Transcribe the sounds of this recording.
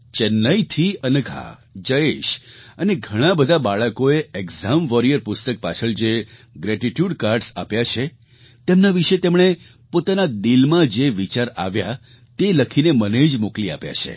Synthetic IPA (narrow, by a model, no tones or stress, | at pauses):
t͡ʃənːəit̪ʰiənəɡʱa̰d͡ʒəeʃəneɡʱəɽ̃ãbəd̪ʱabaɭəkoeeɡzamʋɔɾijəɾpʊst̪ək̚pat͡ʃʰəɭd͡ʒeɡɾɛʈiʈjuɖkaɾɖsa̰pjat͡ʃʰe | t̪emnaʋiʃet̪emɽ̃e | pot̪anad̪ilmãd͡ʒeʋit͡ʃaɾa̰ʋja | t̪eləkʰineməned͡ʒmoklia̰pja̰t͡ʃʰḛ